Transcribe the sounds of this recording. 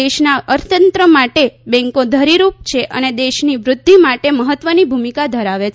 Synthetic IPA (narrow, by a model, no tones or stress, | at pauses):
eʃnaəɾt̪ənt̪ɾəmaʈebɛ̃ŋkõd̪ʱəɾiɾup̚t͡ʃʰeʔə̰ned̪eʃniʋɾʊd̪ʱːimaʈeməɦət̪ʋənibʱumikad̪ʱəɾaʋet͡ʃ